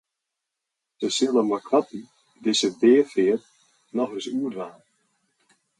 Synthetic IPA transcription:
səsɪlˠəmakʰʋati | dɪsədeːəfɪət | nɔxrɪsuədʋaːn

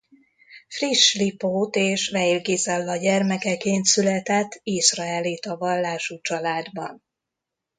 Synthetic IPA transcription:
friʃlipoːt̪eːʃvɛilɡezɛlːɒɟɛrmɛkɛkeːnt̪sylɛt̪ɛt̪ʰːisrɒɛlit̪ɒvɒlːaːʃut͡ʃɒlaːd̪bɒn

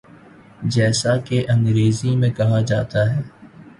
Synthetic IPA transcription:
d͡ʒɛːsakeʔɐ̃ŋɡɾeːzimẽkɐɦad͡ʒaːt̪aɦɛː

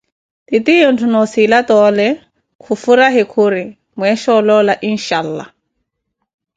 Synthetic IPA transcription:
titiin̩tʰunɔsilatɔlɛ | kʰufuɾaɦɪkʰʊɾɪ | mwɛʃɔlɔlaʔin̩ʃaːl̩la̰

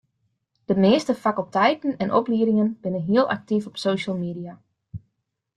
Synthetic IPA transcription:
d̥əmeːstəfakəlˠtɛjtn̩ɛnʔɔ̰pliəɾɪŋənb̥ɪnənɦiəlˠa̰k̚tifɔpsoːʃəlˠmiːdia

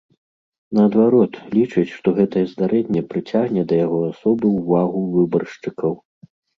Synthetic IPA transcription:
nɐːd̪vaɾɔt̪lʲit͡ʂɨt͡sʲʂt̪ɔɣɛt̪ɐjɛzd̪aɾɛnʲːɛpɾɨt͡sʲaɣnʲɛd̪ɐjaɣɔasɔbɨwvaɣuvɨbɐrʂt͡ʂɨkɐw

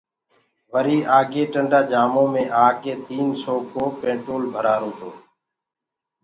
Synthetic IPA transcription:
ʋəɾiːʔaːɡeːʈəɳɖaːd͡ʒaːmõːmẽːʔaːkeːt̪iːnsoːkoːpẽːʈɾoːlbʱəɾaːɾoːt̪oː

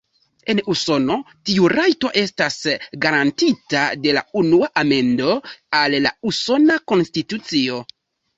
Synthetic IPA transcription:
e̞nuso̞no̞ | tiuɾajto̞ʔe̞stasɡaɾantitade̞la̰unuaʔame̞ndo̞alːa̰uso̞nako̞nstitut͡sio̞

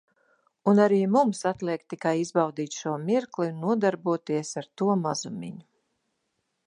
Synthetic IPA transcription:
unaɾiːmumsat̪lˠiɛk̚t̪ːikajizbawd̪iːt̪ʃuɔmiɾklˠinːuɔd̪aɾbuɔt̪iɛsaɾt̪uɔmazumʲḭɲu

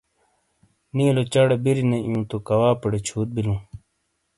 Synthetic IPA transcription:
nĩːlot͡ɕɐɽebiɾinejũːt̪okɐwaːpɐɽet͡ɕʰuːt̪̚bilũː

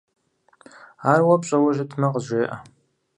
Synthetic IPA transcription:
aːrwɐpɕʼɐwɐʒɪtʰnɐqəʑʷeːʔɐ̰

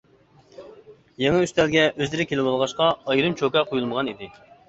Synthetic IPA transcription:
jeŋɨyst̪ɛlɡʲɛʔøzlɪɾɪkʲʰelɪbɑlˠʁɑʃqɑɑjɾɨmt͡ʃʰokɑqʰojulˠməʁɑnid̪ɪ

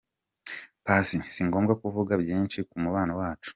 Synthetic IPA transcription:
pasisiŋɡo̞ːmɡakuvuɡabjiːnʃikumuβaːnawaːt͡ʃu̥

